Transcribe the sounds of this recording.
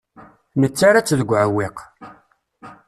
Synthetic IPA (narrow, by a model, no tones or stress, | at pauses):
nət͡sːaɾat͡sːðəɡʷːʕəwːeq